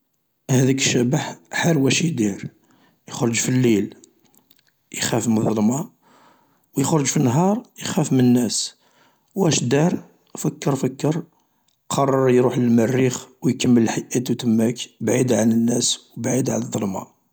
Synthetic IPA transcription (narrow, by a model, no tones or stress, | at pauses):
hæd̪ækəʃːæbaħħaɾwæʃid̪iɾ | jəxɾˤəʒfilːil | jxæfmnðˤəlmɑ | wjəxɾˤəʒfinːɦɑɾˤjəxæfmənːæs | wæʃd̪ɑɾˤ | fəkːəɾfəkːəɾ | qʰɑrˤːɑɾˤjɾuħləlmərːixwjkəmːəllħajʔæt̪wt̪əmːækbʕid̪ʕanənːæswbʕid̪ʕa̰nd̪ˤːəlmɑ̰